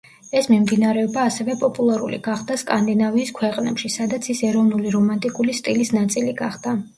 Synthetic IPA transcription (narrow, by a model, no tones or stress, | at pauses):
ɛsmimd̪inaɾɛɔbaːsɛvɛpʼɔpʼulˠaɾulḭɡ̥aχd̪askʼand̪inaviːskʰwɛqʼnɛ̰pʃisad̪at̪sʰisɛɾɔvnuliɾɔmant̪ʼikʼulist̪ʼilisnat̪sʼiliɡaχd̪a